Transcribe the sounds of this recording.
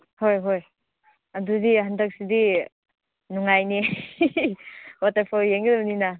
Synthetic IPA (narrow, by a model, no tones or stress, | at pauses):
hojɦoj | ɐdudihandak̚sidi | nuŋajni | watapʰɔɾjeŋɡɯdɐbnina